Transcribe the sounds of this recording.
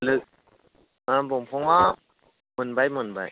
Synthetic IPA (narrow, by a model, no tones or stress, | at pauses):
lɯk̚ | abɔmpʰɔŋa | mɯnbajmɯnba̰j